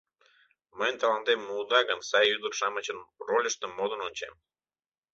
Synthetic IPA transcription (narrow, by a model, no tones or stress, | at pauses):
məjnt̪ɑlɑnt̪emːuːd̪ɑɣənsɑjːyd̪ərʃɑmə̆t͡ɕənrolʲəʃt̪ə̆mːod̪ə̆nonʲt͡ɕem